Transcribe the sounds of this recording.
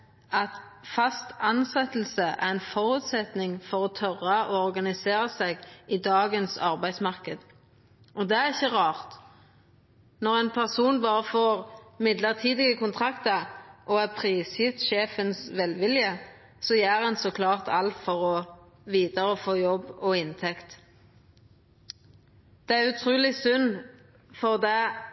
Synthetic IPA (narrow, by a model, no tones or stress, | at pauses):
ɑt̪fɑst̪ɑnsɛt̪l̩səʔæ̰ʁɛɪnfɔɾʉːt̪sɛt̪nɪŋfɔʁɔt̪ʰœʁːɑɔɔʁɡɑnɪseːɾəsɛɡɪd̪ɑːɡənsɑ̰ʁbæɪsmɑʁkəd̪ | ʔɔd̪ɛæʁɪçːəʁɑːʁt̪ | nɔʁæɪnpʰæʁsuːnbɑːʁəfoːʁmɪd̪ləʁt̪ʰiːd̪ɪɡəkʰʊnt̪ʰʁɑkt̪əʔɔɛpʰʁiːsjɪt̪ʃeːfənsʋɛlʋɪljə | sɔjæːʁhɛnsɔkʰlɑːʁt̪ʰɑ̰lt̪fɔʁɔ | ʋiːd̪əɾəfoːjɔbːɔɪnt̪ʰɛkt̪ | d̪̥ɛæɾʉt̪ʰʁuːlɪsʉnː | fɔʁd̪ɛ